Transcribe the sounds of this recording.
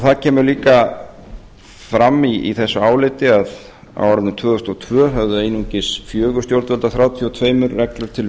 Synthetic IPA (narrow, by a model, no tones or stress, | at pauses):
θaðcʰɛːmʏɾliːka | fɾamːiḭθɛsːʏaːwlɪt̪ɪað | a̰waɾanʏt̪ʰv̥œːðʏst̪ɔt̪ʰvœːɦœvðʏejnuɲcɪsfjœːɣʏ̥st̪jowɾt̪vɛlt̪aθɾaːwt̪ʰjɔt̪ʰveːjmʏɾːɛklʏɾ̥t̪ʰɪl